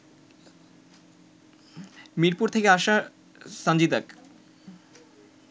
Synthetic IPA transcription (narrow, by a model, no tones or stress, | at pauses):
miɾpuɾt̪ʰekeaʃa | sand͡ʑid̪ak